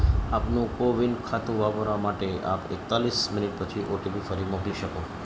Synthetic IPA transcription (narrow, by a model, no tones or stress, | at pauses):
apnũkoʋinɖkʰat̪ũʋaboɾamaʈea̰pḛk̚t̪alismɪnɪʈ̚pət͡ʃʰiʔoʈibifəɾimokliʃəko